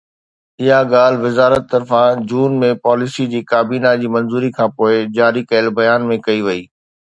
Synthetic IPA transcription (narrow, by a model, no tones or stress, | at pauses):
ɪɦaɠaːl̤ʋɪzaːɾət̪ːɐɾfãd͡ʑuːnmẽpɔːlɪsid͡ʑiːkaːbiːnad͡ʑiːmɐ̃nzuːɾikʰãːpoːɪd͡ʑaːɾikɐjəlbɐjaːnmẽkɐiʋɐiː